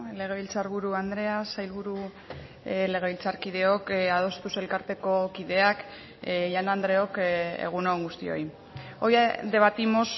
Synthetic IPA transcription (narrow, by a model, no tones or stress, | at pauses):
le̞ɣ̞e̞βilt͡saɾβuɾuand̪ɾe̞asajlβuɾu | le̞ɣ̞e̞βilt͡saɾkið̞e̞o̞kað̞o̞st̪use̞lkaɾt̪e̞ko̞kiðe̞ak | janand̪ɾe̞o̞kḛɣ̞unoŋɡust̪ḭo̞̰j | ojad̪e̞β̞at̪imo̞s